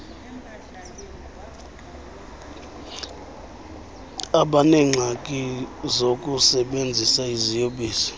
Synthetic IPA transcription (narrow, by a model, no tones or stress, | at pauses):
aɓanɛŋ͡ǁʱakʼizokʼusɛɓend͡zʱisaizijoɓiːsɔ̥